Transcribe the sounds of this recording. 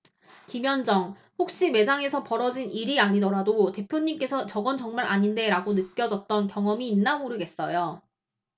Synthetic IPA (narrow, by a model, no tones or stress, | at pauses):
kimjʌnd͡ʑʌŋ | ɸok̚ɕ͈ime̞d͡ʑaŋe̞sʰʌpʌɾʌd͡ʑiniɾiaɲidʌɾadote̞pʰjoɲimk͈e̞sʰʌt͡ɕʌɡʌnt͡ɕʌŋmaɾʔaɲinde̞ɾaɡonɯt̚k͈jʌd͡ʑʌt̚t͈ʌnkjʌŋʌmiːnːamuɾɯɡe̞s͈ʌjo